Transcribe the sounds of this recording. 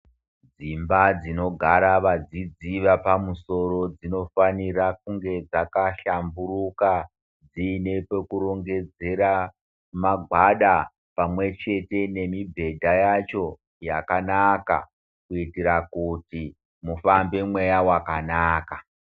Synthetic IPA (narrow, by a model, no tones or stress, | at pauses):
d͡zimbad͡zino̞ɡʱaɾaʋad͡zid͡ziʋapamuso̞ɾo̞d͡zino̞fanirak̚uŋɡe̞d͡zakaɬamburuka | d͡zinepe̞kuɾo̞ŋɡe̞d͡ze̞ɾa | maɡʱwaɗa | pamwe̞t͡ʃe̞te̞ne̞mibʱe̞dʱajat͡ʃo̞ | jakanaka̰ | kuitiɾakuti | mufambe̞mwe̞jawakanaːka